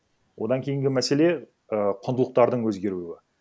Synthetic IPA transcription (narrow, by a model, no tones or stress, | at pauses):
wʔo̞d̪ɑŋkʲʰe̞jɪŋɡʲɪmæse̞le̞ | əqʰʊnd̪əlˠəq̚t̪ɑɾd̪əɴwɵzɡʲe̞ɾuwɪ